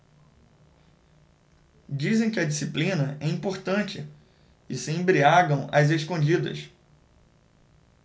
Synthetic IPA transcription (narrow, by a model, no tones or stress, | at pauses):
d͡ʒizẽj̃kɪɐd͡ʒisiplĩnɐʔɛĩmpoɾt̪ɐ̃t͡ʃɪ | ɪsɪẽmbɾiaɡɐ̃w̃ɐzeskõd͡ʒid̪ɐ̰s